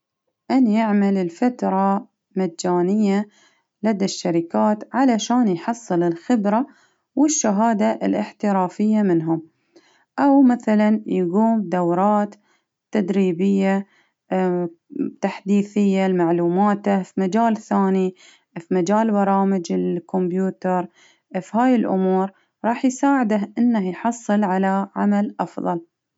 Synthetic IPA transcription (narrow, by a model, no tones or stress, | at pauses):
ʔanjɪʕmalɪlfat̪ɾˤɑ | mad͡ʒːaːnɪjːa | lad̪aʃːaɾɪkaːt̪ʕalaʃaːnjħɑsˤːɨlɪlxɪbɾa | wɪʃːaɦaːd̪aʔɪ̰lʔɪħt̪ɪɾɑːfɪjːamɪnɦʊm | ʔawmaθalanjaɡuːmd̪awɾˤɑːt̪ː | ad̪ɾiːbɪjːa | t̪aħd̪iːθɪjːalmaʕluːmaːt̪afimad͡ʒaːlθaːni | fimad͡ʒaːlbɑɾˤɑːmɪd͡ʒɪlkɔmbjuːt̪ɑɾˤ | fhaːjɪlʔʊmuːɾ | ɾˤɑːħjsaːʕɪd̪aɦʔɪnːahjħɑsˤːɨlʕalaʕamalʔɑfðˤɑ̰l